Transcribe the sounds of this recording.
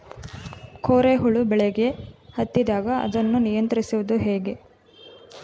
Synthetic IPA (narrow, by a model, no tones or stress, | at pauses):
kʰoːɾeɦuɭubɛɭeɡe̞hɐt̪ːid̪aːɡɐɐ̰d̪ɐnːunijɐnt̪ɐɾisuʋud̪uɦeːɡe̞